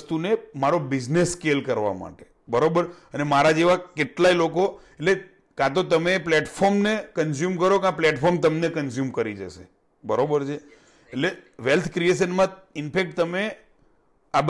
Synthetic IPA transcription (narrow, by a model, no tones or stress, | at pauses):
st̪unemaɾobid͡ʒnesːkelkəɾʋa̰ma̰ʈe | bəɾobəɾənemaɾad͡ʒeʋakeʈlailoko | eʈle | kãt̪̬ot̪əmepleʈfʰoɾmnekəns̬jumkəɾokãplɛʈfʰɔɾmt̪əmnekəns̬jumkəɾid͡ʒə̰ʃe | bəɾobəɾt͡ʃʰeː | leʋelt̪ʰkɾijeʃ̬ənmã | ɪnpek̚ʈt̪əme | ab